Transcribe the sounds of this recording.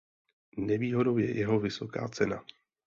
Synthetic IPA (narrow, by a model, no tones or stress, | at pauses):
nɛviːɦo̞do̞wjɛ̰jɛɦo̞vɪso̞ka̰ːt͡sɛna